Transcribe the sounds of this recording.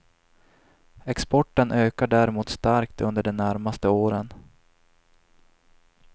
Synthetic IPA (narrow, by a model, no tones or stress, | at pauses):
ɛkspɔʈːənʔøːkaɖæɾɪmuːt̪st̪aɾkt̪ʰɵnd̪əɖɛmnæɾmast̪əoːɾən